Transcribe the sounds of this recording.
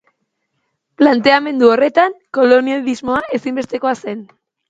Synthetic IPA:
plant̪e̞ame̞nd̪uo̞re̞t̪aŋko̞lo̞nializmo̞aʔe̞simbe̞st̪e̞ko̞ase̞n

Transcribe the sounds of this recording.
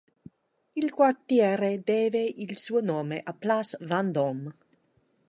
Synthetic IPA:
ilkwart̪jɛːɾed̪eːveʔilsuonoːmeʔaplasvand̪om

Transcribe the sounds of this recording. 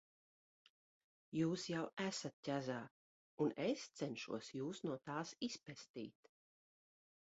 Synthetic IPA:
juːsjawæsat̪̚cʲæzaː | unest̪sɛnʃṵɔsjuːsnuɔt̪aːsispɛst̪ḭːt̪

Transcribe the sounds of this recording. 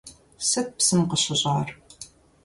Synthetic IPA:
sɐt̚psɨmqəɕɪʑʼɑːr

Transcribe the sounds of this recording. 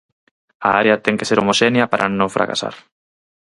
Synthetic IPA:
aaɾeɐt̪ɛŋkeseɾomoʃenjɐpaɾʔanõŋfɾa̰ka̰sa̰ɾ

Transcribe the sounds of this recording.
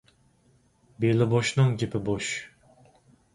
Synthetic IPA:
belɪboʃnɨŋkʲepɪboʃ

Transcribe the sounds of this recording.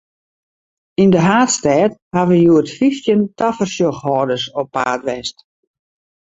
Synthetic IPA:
indəɦaːtstɛːt̚haʋəjuətfiftjəntʰafərsjoxhɔːdəsopːa̰ːtʋɛst

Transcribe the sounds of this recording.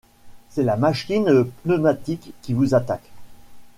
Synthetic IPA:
sɛlamaʃkʲinpnəmat̪ikːivuzat̪ak

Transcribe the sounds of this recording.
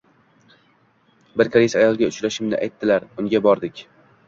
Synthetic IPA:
bɪɾkʰaɾisajɒlˠɡʲaʊt͡ʃlaʃɪmnɪ̰ʔa̰jt̪ʰːɪlaɾʊŋɡʲabɒɾd̪ɪkʲ

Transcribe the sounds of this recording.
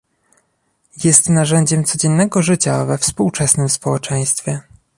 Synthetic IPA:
jɛst̪naʐɛɲd͡ʑɛmt̪sɔd͡ʑɛnːɛɡɔʐɘt͡ɕa̰vɛfspuwt͡ʂɛsnɘmspɔwɛt͡ʂɛj̃st̪fʲjɛ

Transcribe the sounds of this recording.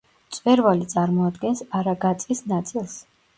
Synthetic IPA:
t̪sʼvɛɾvalit̪sʼaɾmɔad̪ɡɛnsaɾaɡat̪sʼisnat̪sʼilˠs

